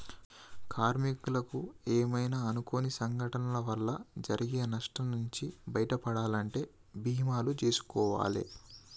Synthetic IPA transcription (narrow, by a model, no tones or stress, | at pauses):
kaːɾmikulɐkueːmɐjnaɐnukonisɐŋɡʱɐʈɐnɐlɐʋɐlːɐd͡ʒɐɾʔiɡenɐʂʈɐnuɲt͡ʃibɐjɐʈɐpɐɽaːlɐɳʈe̞ː | bʱiːmaːlut͡ʃe̞ːsu̥kɔːʋa̰ːlḛ